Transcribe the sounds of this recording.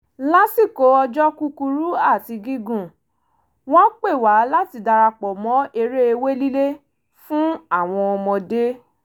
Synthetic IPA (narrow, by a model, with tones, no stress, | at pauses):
la˦si˦˨ko˨˦ɔ˧d͡ʒɔ˦ku˦ku˧ɾu˦a˦˨ti˨˧ɡi˦ɡũ˦˨ | w̃ɔ̃˦k͡pe˦˨wa˨˦la˦ti˨˧˨da˧ɾa˧k͡pɔ˨mɔ̃˨˦e˧ɾe˦e˧we˦li˦le˦ | fũ˦a˦˨w̃ɔ̃˧ɔ˧mɔ̃˧de˦